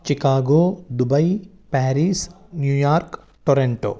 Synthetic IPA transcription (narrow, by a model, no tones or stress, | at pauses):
t͡ʃikaːɡoːd̪ubɐj | pɛːɾiːsnjuːjaːɾk | ʈoɾeɳʈo̰ː